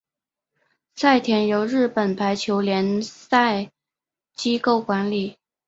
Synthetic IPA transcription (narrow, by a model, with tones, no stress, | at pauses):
sa˥˩ɪt̪ʰjɛ˧˥njo˧˥ʊɻɻ̩˥˩pə˨˩npʰa˧˥ɪt͡ɕʰjo˧˥ʊljɛ˧˥nsa˥˩˧ɪ | t͡ɕi˥ko˥˩ʊkwa˧˥nli˨˩˦